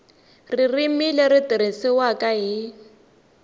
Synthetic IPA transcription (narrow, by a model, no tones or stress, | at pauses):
ririmilɛritʼiɾ̤isiwakʼaɦi